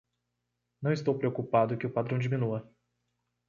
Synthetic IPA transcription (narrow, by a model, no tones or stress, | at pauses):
nɐ̃w̃ɪst̪owpɾeokupad̪ʊkɪʊpad̪ɾɐ̃w̃d͡ʒimĩnuɐ